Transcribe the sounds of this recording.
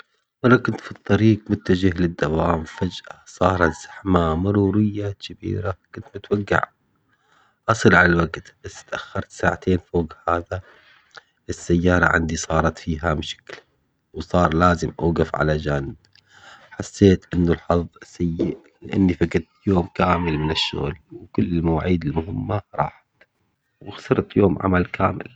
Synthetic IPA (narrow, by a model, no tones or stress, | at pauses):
mɑrˤːɑkʊnt̪fit̪ˤːɑɾiːqmʊt̪ːad͡ʒɪhlɪd̪ːawaːmfad͡ʒʔasˤɑːɾˤɑt̪z̥aħmamʊɾuːɾɪjːad͡ʒabḭːɾakʊnt̪mʊt̪waɡːa̰ʕ | ʔɑsˤɨlʕalalwaɡt̪b̥asːɪ̥t̪ʔaxːɑɾˤt̪saːʕat̪eːnfoːɡhaːða | ʔɪsːajːɑːɾˤɑ̰ʕa̰nd̪isˤɑːɾˤɑt̪fiːɦamʃḁkl | wsˤɑːɾˤlaːzɪmʔaːɡafʕa̰lad͡ʒaːnɪb | ħasːeːt̪ʔɪnːʊlħɑðˤsajː | lɪʔanːifaɡɪt̪joːmkaːmɪlmɪnɪʃːʊ̰ɣlwkʊlːɪlmawaːʕiːd̪ɪlmʊɦɪmːaɾˤɑ̰ːħḁt̪ | wɪɣsɑɾˤt̪joːmʕa̰malka̰ːmɪ̰l